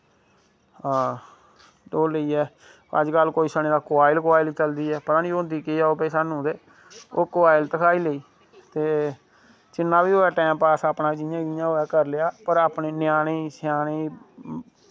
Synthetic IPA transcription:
ɦãː | loːleiːɛː | ə̰d͡ʒkəlkoːiːsəñeːd̪aːkoaːɪlkʋaːɪlt͡ʃəld̪iːɛːpət̪ãːnioːnd̪iːkeaːoːpɛːsaːnũːd̪eː | oːkːaːɪlt̪əkʰaːiːleiː | t̪eː | t͡ʃɪnːaːbiːɦoːɛːʈɛ̃ːmpaːsaːpnaːd͡ʒijãːɡɪːjãːɦoːɛːkəɾleaːpəɾaːpneːnɪjaːñeːsɪjaːneː

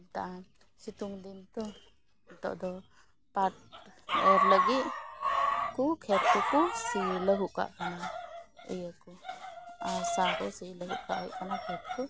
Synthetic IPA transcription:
taʔa | situŋdintɔ | tɔ̰ʔd̪ɔ | pat̚ɛɾləɡi | kukʰɛp̚kukusiləɦuʔka̰ʔkʰanaɯ̰jaku | asakɔsiləɦukʰaʔajkʰanakʰɛt̚kʰu

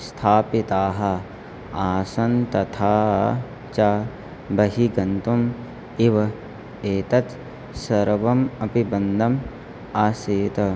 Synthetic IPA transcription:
st̪ʰaːpit̪aːɦɐ̆ | aːsɐnt̪ɐt̪ʰaː | t͡ʃa | bɐɦiɡɐnt̪um | iʋɐ | eːt̪ɐt̪ | sɐɾʋɐmɐpibɐnd̪ʱɐm | aːseːt̪ɐ

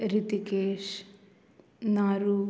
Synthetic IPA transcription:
ɾit̪ikeːʃ | naːɾuː

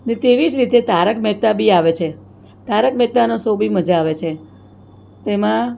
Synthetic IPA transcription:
net̪eʋid͡ʒɾit̪et̪aɾəkmɛt̪abiaʋet͡ʃʰe | t̪aɾəkmɛt̪anosobiməd͡ʒaːʋet͡ʃʰe | t̪emã

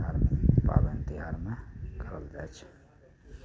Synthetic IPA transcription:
aɾmepa̰bent̪iɦaɾmekʰəld͡ʒajt͡ʃʰ

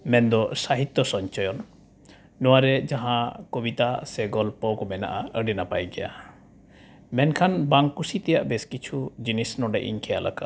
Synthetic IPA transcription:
mɛnd̪ɔsaɦit̪jɔsɔɲt͡ʃɔjɔnː | ɔwaɾɛd͡ʒaɦãkɔbit̪asɛɡɔlpɔkɔmɛna̰ʔaəɖɛnapajɡɛja̰ | mɛnkʰanbaŋkːusit̪ɛjaʔbɛskit͡ʃʰud͡ʒinisnɔɖɛ̰ʔḭɲkʰɛjalʔa̰kaʔ

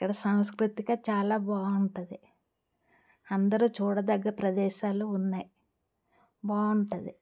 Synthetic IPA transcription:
kːɐɽɐsaːwskɾut̪iɡaːt͡ʃaːlaːʋaːuɳʈɐd̪i | ɐnd̪ɐɾuːt͡ʃuːɽɐd̪ɐɡːɐɾɐpɾɐd̪ɛːʃaːluːnːaːji | ʋaːuɳʈɐd̪i

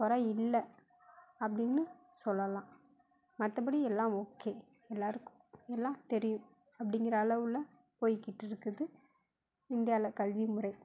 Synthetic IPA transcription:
pɔɾaɪlːɐ | ɐp̬ːɐɽɪnːɯsɔlːɐlãː | mɐt̪ːɐp̬ɐɽiɛlːãːoːkːeː | ɛlːaːɾɯkːʊ̥̃ɛlːãːt̪ɛɾɪjʊ̃ | ɐpːɐɽɪŋɡɪɾɐːlɐʋɯlɐ | poːjkɪʈːɪɾɯkːɯðɯ | ɪnd̪ɪjaːlɐkɐlʋimʊrɐɪ

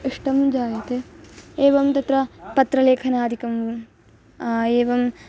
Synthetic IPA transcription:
iʂʈɐmd͡ʒaːjɐt̪eeːʋɐmt̪ɐt̪ɾɐpɐt̪ɾɐleːkʰɐnaːd̪ʱikɐmʋu | eːʋɐm

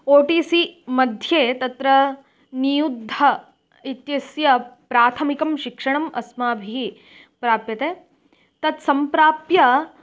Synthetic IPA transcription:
oːʈiːsimɐd̪ʱjeːt̪ɐt̪ɾɐ | nijud̪ʱːɐ | it̪jɐsjɐpɾaːt̪ʰɐmikɐmʃikʂɐɳɐmɐ̰smaːbʱiɦi | pɾaːpjɐt̪eː | t̪ɐt̪sɐmpɾaːpjɐ

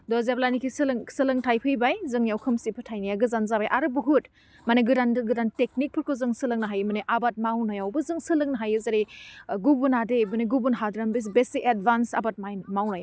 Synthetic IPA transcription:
dɔzeblanikʰisɯlɐŋsɯlɐŋtʰajpʰɯjbajzɯŋjawkʰɯmsipʰɯtʰajnijaɡɯzanzabajʔaɾɯbuɦut̚ | maneɡɯdanɡɯdantek̚nik̚pʰɯɾkʰozɯŋsɯlɯŋnaɦajmɯneʔabat̚mawnajawbɯzɯŋsɯlɯŋnɐɦajɯzaɾiɡubunadebɯneɡubunɦadɾambes̬besiked̚bansa̰bat̚mamawnaja

